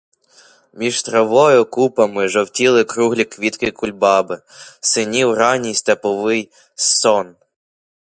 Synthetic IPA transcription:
mʲiʒt̪ɾɐʋɔjɔkupɐmɪʒɔwtʲilˠɪkɾuɦlʲikʋʲit̪kɪkʊlʲbɑbɪsɪnʲiwrɑnʲijst̪ɐpɔʋɪj | sɔn

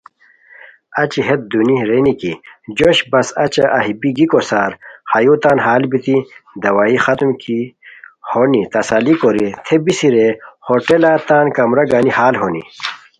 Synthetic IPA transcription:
ɐt͡ɕiɦet̪̚d̪uniɾenikid͡ʑoɕbɐsɐt͡ɕɐʔɐɦibiɡikosaːɾhɐjuːt̪aːnɦaːlbit̪id̪ɐwaːixɐt̪mkihoːnit̪ɐsɐlikoɾit̪ʰebisiɾehoʈelaːt̪aːnkɐmɾɐɡaːnihaːlɦonḭ

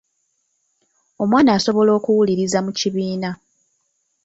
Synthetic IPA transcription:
o̞mwaːnaːso̞βo̞lo̞ːkuwuliɾizamuciβiːna

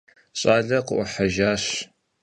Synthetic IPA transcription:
ɕʼaːɮɐqəʔʷʊħaʒaːɕ

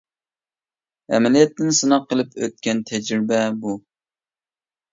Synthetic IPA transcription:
ɛ̰mɛlijɛt̪ːɪnsɨnɑqːəlˠɨpʰø̰t̪̚kʲɛnt̪ʰɛd͡ʒɾɪbɛbu

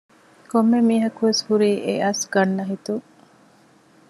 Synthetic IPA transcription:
komːemiːɦɐkuʋeshuɾiːʔeʔɐsɡɐnːɐɦit̪u

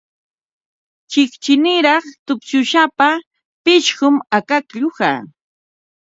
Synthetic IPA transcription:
t͡ʃɪkt͡ʃɪnɪɾɑχt̪ʊpʃʊʃapa | pɪʃɢʊmakakʎʊha̰

